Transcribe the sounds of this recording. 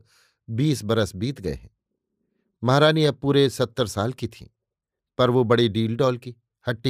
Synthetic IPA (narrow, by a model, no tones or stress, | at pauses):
biːsbɐɾəsbiːt̪ɡɐḛɦɛ̃ː | mɐɦɾaːnijapuːɾesɐt̪ːəɾsaːlkit̪ʰḭ̃ː | pɐɾʋobɐɽiɖiːlɖɔːlki | hɐʈːi